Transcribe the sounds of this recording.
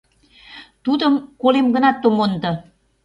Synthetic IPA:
t̪ud̪əmkolemɡə̆nɑt̪ːomond̪ɤ̆

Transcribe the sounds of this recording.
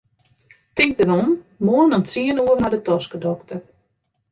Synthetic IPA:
tidəɾɔnmoənɔnsiənuərnadətɔskədɔktər

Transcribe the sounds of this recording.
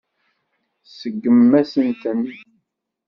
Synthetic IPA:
səɡːəmːæsənt̪ən

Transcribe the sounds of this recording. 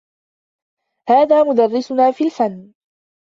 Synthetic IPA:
haːðaːmʊd̪arːɪsʊnaːfiːlfanː

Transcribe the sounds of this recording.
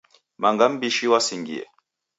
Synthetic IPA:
maŋɡam̩biʃiwasiŋɡiɛ̰

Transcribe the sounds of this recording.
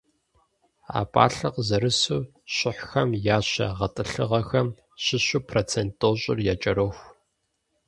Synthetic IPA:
a̰ːpʼa̰ːɬɨqzɐɾɨsuː | ɕɪħʷxɐmjaːɕɐ̰ʁɐtʼɨɬɨʁɐxɐm | ɕɪɕuːpʰroːt͡sʰentʼːoːɕʼɪ̰rjaːt͡ʃʼɐɾoːxʷ

